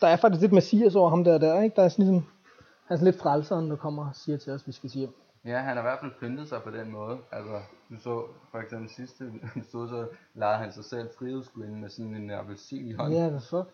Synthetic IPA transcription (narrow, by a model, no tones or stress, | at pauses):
d̥ɑ̈æɐfɑ̈ɡ̥iskle̝d̥mæsḭːɐs̬ɒʊ̰ɐɦɑ̈md̥æɐdæɐ̰eɡ̥̚d̥ɑ̈æɐsɒnlis̬ɒ̽m | æɐsɔn̩led̥fʁalsɐːnd̥ɑ̈kʰɒ̽m̰ɐsiːɐt͡sʰe̝lɒsʋisɡ̥æsiː | jæɦænhɑ̈iʋæɐfælpʰønd̥ð̞̩ˠsɑ̈ɪpʰɒ̽d̥enmɔːð̞̩ˠælsɐd̥usɔ̰ːfɒ̽eɡ̥semb̥l̩sisd̥ə̥usd̥o̰ð̩ˠsɒ̽lɑ̈ð̩ˠhænsɑ̈ɪsel̰fʁiusɡ̥uenmesɔ̽nleæɐʋesḭːnihɒ̽nææsɒ